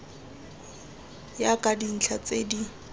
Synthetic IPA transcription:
jakʼadin̩t͡ɬʰat͡sedi

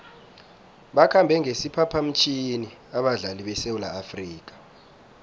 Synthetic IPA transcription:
ɓakʰambʱɛŋʱesipʰapʰam̩t͡ʃʰiniaɓaɮaliɓɛsewulaːfriːk̬ḁ

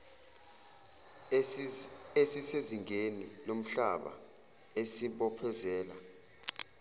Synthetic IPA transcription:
esiseziŋʱenilom̩ɬa̰ɓa̰ | esiɓɔpʰɛzɛːla

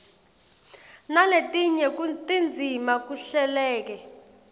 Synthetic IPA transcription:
naletʼiɲɛktʼind͡zʱimak̬uɬɛlɛːk̬ɛ

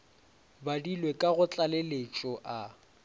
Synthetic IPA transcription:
badilwekʼaɣʊt͡ɬʼalelet͡ʃʼɔʔa

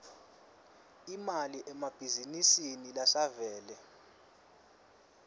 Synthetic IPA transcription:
imaliʔɛmab̥ʱizinisinilasavɛːlɛ

